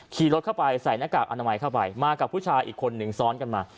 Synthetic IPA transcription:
kʰiː˧˩ɾo˦t̪̚kʰa˥˩wpa˧jsa˨˩˦jnaː˦˥˩kaː˨˩k̚ʔa˧na˧ma˧jkʰa˥˩wpa˧jmaː˧ka˨˩pʰu˥˩t͡ɕʰaː˧jʔiː˨˩kʰo˧nːɯ˨˩ŋsɔː˦˥nka˧nmaː˧

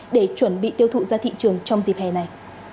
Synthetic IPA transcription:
ɗe˧˩t͡ɕwə˧˩nɓḭ˧˨t̪i˧əwt̪ʰṵ˧˨zaː˧t̪ʰḭ˧˨t͡ɕɨ˨˩əŋt͡ɕɔ˧wŋ͡mzi˨˩p̚hɛ˨˩na˨˩j

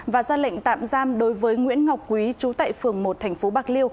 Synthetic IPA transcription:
vaː˨˩zaː˧lə̰˧˨jŋ̟t̪a̰ː˧˨mzaː˧mɗo˨˦jvəː˨˦jŋwḭ˧˥ənŋa˨˩k͡p̚kwi˨˦t͡ɕu˨˦t̪a̰ː˧˨jfɨ˨˩əŋmo˨˩t̚t̪ʰɛ˨˩jŋ̟fo˨˦ɓaː˧˩k̚li˧əw

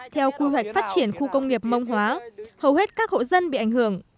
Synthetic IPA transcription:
t̪ʰɛ˧wkwi˧wa˨˩k̚faː˦˥t̚t͡ɕi˧˩ənxu˧kə˧wŋ͡mŋi˨˩əp̚mə˧wŋ͡mɦwaː˨˦həː˨˩whe˦˥t̚kaː˦˥k̚ho̰˧˨zə˧nɓḭ˧˨a˧˩jŋ̟hɨ˧˩əŋ

